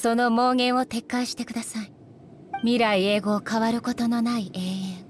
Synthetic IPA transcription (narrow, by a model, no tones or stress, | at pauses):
so̞no̞mo̞ːɡẽ̞ɰ̃o̞t̪e̞kːaiɕi̥t̪e̞kɯ̟d̪asai | mʲiɾaie̞ːɡo̞ːkaβaɾɯ̟ko̞t̪o̞no̞naiʔe̞ːẽɰ